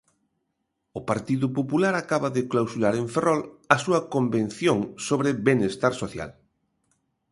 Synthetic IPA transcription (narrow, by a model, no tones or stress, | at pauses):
ʊpaɾt̪iðʊpopulaɾakaβɐðɪklawsuɾaɾeɱferɔlɐsuɐkomben̟θjoŋsoβɾɪbenest̪aɾsoθja̰l